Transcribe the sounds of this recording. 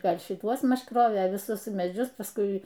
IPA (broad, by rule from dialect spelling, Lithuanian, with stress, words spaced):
ˈɡɐlʲ ʃʲɪˈtuɔs ˈmɐʃ ˈkroːʋʲeː ʋʲɪˈsʊs mʲɛˈd͡ʒʲʊs pɐsˈkʊɪ